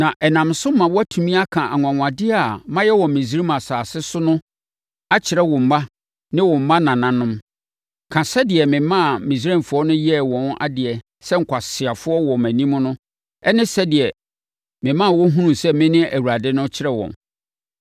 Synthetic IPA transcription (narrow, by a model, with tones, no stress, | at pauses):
nã˨ʔɛ˨nã˨msʊ˦mã˨wɔ˦æ˦tʰu˨mĩ˦a˦kʰã˨ʔa˨ŋʷ˨ã˨ŋ˨ã˨dɪ˦a˦˨mã˦jɛ˦wɔ̃˨mĩ˨s̬i˦ɾi˦mã˨saː˨sɪ˦sʊ˦nʊ̃˦ | a˦t͡ɕʰɪ˨ɾɛ˦wɔ̃˨m̩˨mã˦ | nɪ̃˦wɔ̃˨m̩˨˦mã˦nã˨nã˨nʊ̃˦m | kʰã˨sɛ˦dɪ˨ɛ˨mɪ̃˨mã˦˨mĩ˨s̬ɾã˦˨fʊ˨˦ɔ˦nʊ̃˦jɛ˦˨wɔ̃˨na̰˦dɪ˨ɛ˨ | sɛ˦ŋ̩˨kʷʰa˨sɪ˨a˨fʊ˦ɔ˦wɔ˨mæ̃˨nĩ˦m̃˦nʊ̃˦ | ɛ˦nɪ̃˦sɛ˦dɪ˨ɛ˨ | mɪ̃˨mã˦˨wʊ˦ɦũ˦nũ˨sɛ˦mɪ̃˦nɪ̃˦ʔæ˨wu˨a˨dɪ˦nʊ̃˦t͡ɕʰɪ˦ɾɛ˦wɔ̰̃˨n